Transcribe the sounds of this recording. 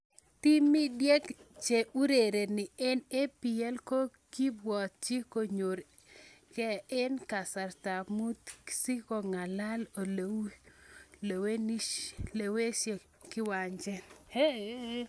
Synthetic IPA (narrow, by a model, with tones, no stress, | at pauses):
t̪i˦mɪ˦djɛ˦kt͡ʃe˨ʔu˦ɾe˨ɾe˨nɪ˨ɛ˦ne˦pi˨ɛ˦lko˦ | ki˦bwɔ˨t̪̚t͡ʃɪ˦ko˨ɲo˨ɾ | kɛ˦ɪ˦nka˨sa˨rt̪a˨mu˦t̪si˦ko˨ŋa˨la˦lo˨lo˨˦lo˨we˦ni˦ʃle˨we˦ʃe˨ | kɪ˦wa˨ɲd͡ʒɛ˦he˦